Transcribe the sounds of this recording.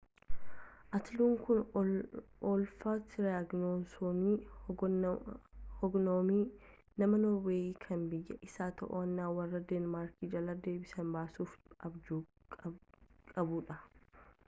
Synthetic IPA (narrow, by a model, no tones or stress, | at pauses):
ʔɐt̪ɪluːŋkʊn | ɔlfaːt̪ɪɾaɡnoːsoːmi | hɔɡnoːmiː | nɐmɐnoweːikʰɐnbɪjːɐʔɪsaːt̪ʰɐ̰ʔoɐnːaːwɐrːɐd̪eːnmaːɾkiːd͡ʒɐlɐd̪e̞ːbɪsɐmbaːsuːfɐbd͡ʒuː | kʼɐbuːᶑɐ